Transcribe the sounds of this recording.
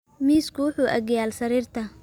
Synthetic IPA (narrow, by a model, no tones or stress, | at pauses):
miːskʰʊwʊħuːʔɐɡjaːlsɐɾiːrt̪ʰɐ